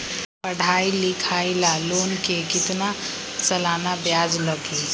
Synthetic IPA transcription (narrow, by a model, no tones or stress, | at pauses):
pəɽ̤ʱailikʰajlalonkekit̪na | səlanabjad͡ʒləɡi